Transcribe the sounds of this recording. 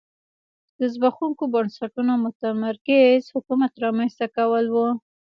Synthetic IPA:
d̪̥əzbaxuŋkobənsaʈunomʊt̪amaɾkɪzhʊkumat̪ɾɑmanst̪akawəlwu

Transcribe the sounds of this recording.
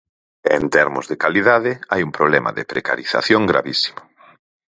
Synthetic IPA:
ent̪ɛɾmʊ̰zðekaliðaðɪajumpɾoβlɛma̰ðɪpɾeka̰ɾiθa̰θjoŋɡɾa̰βisi̥mʊ

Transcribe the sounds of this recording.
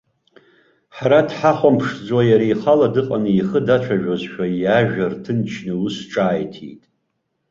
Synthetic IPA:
ħaɾadħaχʷampʰʂd͡zwajaɾiːχaladɨqʼanɨiχədat͡ʃʷʰaʒᶣozʃᶣajaʒᶣartʰɨnt͡ʃʰnɨusʈ͡ʂʼaːjtʰḭjtʼ

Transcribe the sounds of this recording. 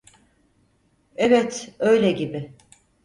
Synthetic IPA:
ɛvɛt̪ø̞jlʲɛɟibɪ

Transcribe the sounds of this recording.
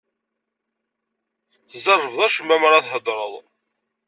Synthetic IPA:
θzˤɑrˤːəvðˤæʃəmːæmɾˤɑθhəd̪ˤɾˤəðˤ

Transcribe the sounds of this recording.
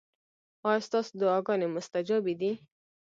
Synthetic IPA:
ɑjst̪ɑsod̪ʊɑɡɑnemʊst̪ad͡ʒabid̪i

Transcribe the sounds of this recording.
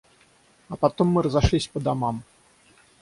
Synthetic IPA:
ɐpat̪ɔmːɨɾɐzaʂlʲisʲpɐd̪amam

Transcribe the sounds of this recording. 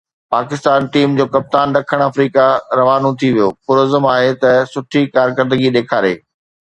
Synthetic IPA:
paːkɪst̪aːnʈiːmd͡ʑoːkɐp̚t̪aːnɗɐkʰəɽ̃ɐfɾiːkaɾɐʋaːnot̪ʰiʋijoːpʊɾoːzəmaːɦet̪ɐsʊʈʰikaːɾkɐɾd̪əɡid̪eːkʰaːɾḛː

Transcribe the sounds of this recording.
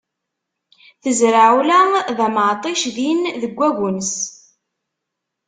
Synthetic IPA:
θəzɾaʕulæðæməʕt̪ˤiʃðinðəɡʷːæʝʊns

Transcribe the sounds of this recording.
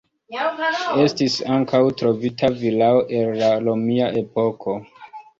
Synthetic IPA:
e̞stisaŋkawtɾo̞vitʰavilaoʔe̞lːalomiaʔe̞po̞kʰo̞

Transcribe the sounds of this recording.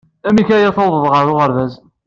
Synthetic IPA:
æmikæjæθɑwðˤəðˤʁəɾʊʁəɾðæz

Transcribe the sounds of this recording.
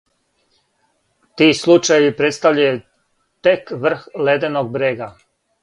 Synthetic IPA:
t̪iːslˠut͡ʃajʋipɾet̪st̪aʋʎaju | t̪ekʋr̩xled̪enoɡ̚bɾeːɡa

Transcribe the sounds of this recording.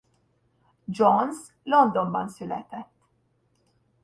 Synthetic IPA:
d͡ʒɔns | lɔnd̪ɔnbɐnsʊlɛ̰t̪ɛt̪ː

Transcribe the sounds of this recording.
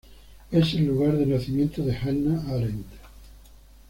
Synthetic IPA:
eselːuɣaɾðenaθimjẽnt̪oðehalnaalent̪

